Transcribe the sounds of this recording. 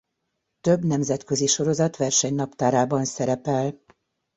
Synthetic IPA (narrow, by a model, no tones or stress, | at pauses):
t̪øbnɛmzɛt̪køziʃo̞ɾo̞zɒt̪ʋɛrʃɛɲnɒpt̪aːɾaːbɒnsɛɾɛpɛl